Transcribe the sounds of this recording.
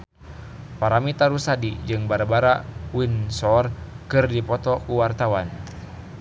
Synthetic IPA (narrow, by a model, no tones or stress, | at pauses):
paɾamit̪aɾusadid͡ʒɨŋbaɾabaɾawinsɔrkɨrdipɔt̪ɔkuwart̪awan